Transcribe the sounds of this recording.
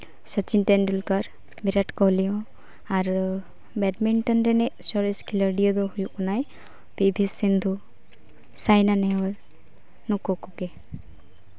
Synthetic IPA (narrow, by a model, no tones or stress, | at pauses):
sət͡ʃinʈenɖulkəɾ | biɾaʈkɔɦlijɔ̃ | aɾ | bɛʈmiɳʈənɾenɛsɔɾeskʰiləɾɖiɔd̪ɔɦujukɔnaj | bebʱisind̪ʱu | sajnanewəl | nukɔkuke